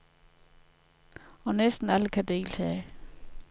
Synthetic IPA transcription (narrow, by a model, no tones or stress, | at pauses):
ɒ̽nesd̥n̩æləkʰæde̝̰ːlt͡sʰɛː